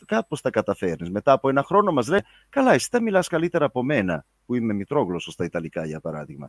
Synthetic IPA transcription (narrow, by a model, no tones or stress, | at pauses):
kɐpo̞sθɐkɐt̪ɐfe̞ɾnizme̞t̪ɐːpoe̞nɐxɾo̞no̞mɐzle̞ | kɐlɐesi̥t̪ɐmilɐskɐlit̪e̞ɾɐːpo̞me̞nɐ | puime̞mit̪ɾo̞ɣlosost̪ɐit̪ɐlikɐʝɐpɐɾɐ̰ðiɣmɐ̰